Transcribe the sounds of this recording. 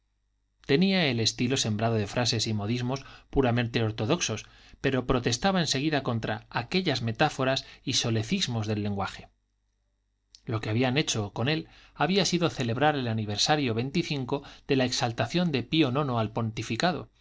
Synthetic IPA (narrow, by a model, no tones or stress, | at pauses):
t̪e̞niae̞le̞st̪ilo̞se̞mbɾaðo̞ðe̞fɾʔase̞simo̞ðizmo̞spuɾamẽ̞nt̪e̞o̞ɾt̪o̞ð̞o̞kso̞s | pe̞ɾo̞pɾo̞t̪e̞st̪aβae̞nse̞ɣ̞iðako̞nt̪ɾaake̞ʎazme̞t̪afo̞ɾasiso̞le̞θizmo̞zðe̞lːe̞ŋɡwaxe̞̥ | lo̞keaβiane̞t͡ʃo̞ko̞ne̞laβ̞iasiðo̞θe̞le̞βɾaɾe̞laniβ̞e̞ɾsaɾjo̞βe̞jnt̪iθiŋko̞ð̥e̞laeksalt̪aθjo̞nd̪e̞pio̞nõ̞no̞alpo̞nt̪ifikað̞o̞̰